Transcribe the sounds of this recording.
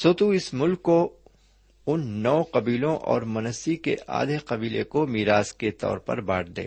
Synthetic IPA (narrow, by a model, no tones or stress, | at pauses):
soːt̪uɪsmʊlkːo | ʊnːɔːqɐbiːlõʔɔ̰ːɾmɐnəsikḛʔa̰ːd̪ʱeqɐbiːlḛkomiːɾaːzket̪ɔ̰ːɾpɐ̰ɾba̰ːʈ̚d̪ḛː